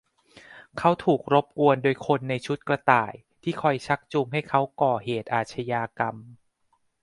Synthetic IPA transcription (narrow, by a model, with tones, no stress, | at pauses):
kʰa˦˥wt̪ʰuː˨˩k̚ɾo˦˥p̚ku˧əndoː˧jkʰo˧nːa˧jt͡ɕʰu˦˥t̪̚kɾa˧t̪a̰ː˨˩j | t̪ʰiː˥˩kʰɔ˧jt͡ɕʰa˦˥k̚t͡ɕu˧ŋɦa˥˩jkʰa˦˥wkɔː˨˩heː˨˩t̪̚ʔaː˨˩t̪̚t͡ɕʰa˧jaː˧ka˧m